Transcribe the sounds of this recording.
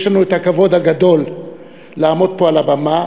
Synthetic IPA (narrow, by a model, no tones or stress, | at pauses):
ʃlanuet̪hakavo̞d̪haɡad̪o̞lː | aːmo̞d̪̚po̞alabama